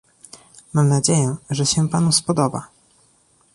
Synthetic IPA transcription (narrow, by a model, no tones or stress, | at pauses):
mamnad͡ʑejɛʐɛɕɛpanuspɔd̪ɔba̰